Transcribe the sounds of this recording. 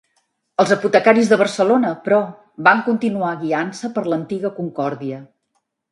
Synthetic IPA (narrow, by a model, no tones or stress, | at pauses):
əlˠzəput̪əkaɾizðəβ̞ərsəlonəpɾɔ | βaŋkunt̪inuaɣiansəpəɾlənt̪iɣəkuŋkɔɾðiə